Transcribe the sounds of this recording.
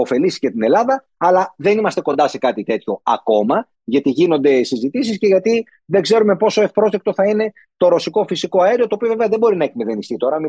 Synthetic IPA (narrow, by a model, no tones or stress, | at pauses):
o̞fe̞lisi̥cet̪ine̞lɐðɐː | lɐðe̞nimɐst̪e̞ko̞nd̪ɐse̞kɐt̪it̪e̞t̪ço̞ɐ̰ko̞mɐ | ʝɐt̪iʝino̞nd̪e̞sizit̪is̬isce̞ʝɐt̪i | ðe̞ɡze̞ɾume̞po̞so̞e̞fpɾo̞zðek̚t̪o̞θɐine̞ | t̪o̞ɾo̞siko̞fisiko̞ɐeɾiot̪oːpio̞veveɐðe̞bo̞ɾinɐeçimeðe̞nist̪it̪o̞ɾɐmi